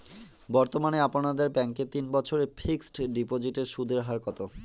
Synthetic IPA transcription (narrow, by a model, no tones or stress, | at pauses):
bɔɾt̪omaneaponad̪eɾbɛŋket̪inbɔt͡ɕʰoɾepʰiksʈɖipod͡ʑiʈeɾʃud̪ʱeɾɦaɾkɔt̪o